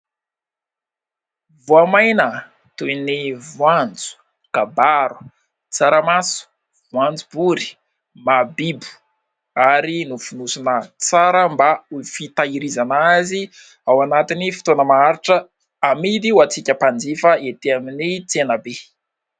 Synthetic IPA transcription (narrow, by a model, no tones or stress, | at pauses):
vuamajnə | t̪uinivwand͡zu̥ | kabaɾu̥ | t͡saɾəmasu̥ | vwand͡zubuɾi̥ | mabibu̥ | aɾinufunusunət͡saɾəmbaufit̪aiɾizanazi | awanat̪inifi̥t̪onəmaaɾiʈ͡ʂə | amid̪iwat͡sikʲəpand͡zifəet̪eaminit͡senəbe